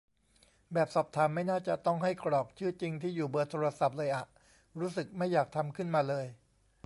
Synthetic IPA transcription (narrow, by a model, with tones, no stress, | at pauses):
bɛː˨˩p̚sɔː˨˩p̚t̪ʰaː˩˦mːa˥˩jnaː˥˩t͡ɕa˨˩t̪ɔ˥˩ŋɦa˥˩jkɾɔː˨˩k̚t͡ɕʰɯː˥˩t͡ɕi˧ŋt̪ʰiː˥˩juː˨˩bɤː˧t̪ʰoː˧ɾa˧sa˨˩p̚lɤː˧jʔa˨˩ | ɾuː˦˥sɯ˨˩k̚ma˥˩jːaː˨˩k̚t̪ʰa˧mkʰɯ˥˩nmaː˧lɤː˧j